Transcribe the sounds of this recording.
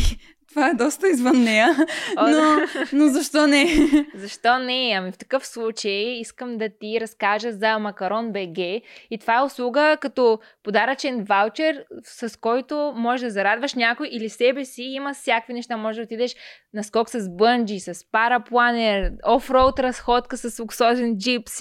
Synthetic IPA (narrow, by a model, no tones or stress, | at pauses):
t̪ovaɛd̪ɔst̪əizvənːɛjənonozɐʃt̪ɔnɛzɐʃt̪ɔnɛɐmift̪ɐ̥kɤfslˠut͡ʃəjiskəmd̪ɐt̪iɾɐskaʒəzɐmɐkɐɾɔnbɛɡɛit̪ovaɛʊslˠuɡəkɐt̪ɔ | pod̪aɾət͡ʃɛnvalˠt͡ʃɛɾsɐskɔjt̪omɔʒɛʒd̪ɐzɐɾad̪vəʃnʲakʊjʔilisɛbɛsiimɐfsʲjakvinɛʃt̪amɔʒɛd̪ɐot̪id̪ɛʃ | nɐskɔksɐzbɤnd͡ʒisɐspaɾɐplˠanɛɾɔfɾolˠt̪ɾɐsxɔt̪kəsɐsoksɔzɛnd͡ʒips